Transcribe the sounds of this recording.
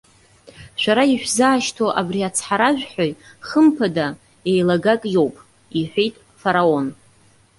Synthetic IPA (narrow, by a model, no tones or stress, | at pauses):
ʃʷᶣaɾaiħʷᶣzaːʃtʰoʔabriat͡sʰħaɾaʒᶣħᶣojχəmpʰada | ejlaɡakʼjo̞wpʼ | iħʷᶣejtʼ | faɾao̞n